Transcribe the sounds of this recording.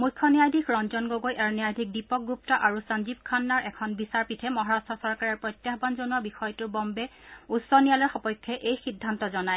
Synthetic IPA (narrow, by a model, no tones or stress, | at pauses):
mujkʰːɔnijajdʱikʰɹɔnzɔnɡoɡojʔaɹnijajdʱik̚dipɔk̚ɡup̚tɔʔaɹusanzip̚kʰanːaɹʔɛkʰɔnbisaɹpitʰɛmɔɦɔɹastʰɔsɔɹkaɹɛɹpɹɔjtjaxbanzonuabixɔjtʊɹbɔmbɛutsɔnijalɔɹxɔpɔjkʰːɛʔejxidʱːantɔzɔnaj